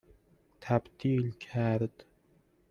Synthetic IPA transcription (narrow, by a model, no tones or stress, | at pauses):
t̪ʰæbd̪iːlkʲʰæːɾd̪